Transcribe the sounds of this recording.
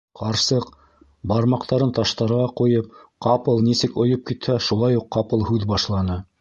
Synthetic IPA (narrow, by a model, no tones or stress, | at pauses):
qʰɑɾsɤq | bɑɾmɑqt̪ɑɾɤnt̪ɑʃt̪ɑɾʁɑqujɤp̚qɑpɤlˠnisɘkŏjɤp̚kit̪hæʃulˠɑjuqːɑpɤlˠhʉðbɑʃlˠɑnɤ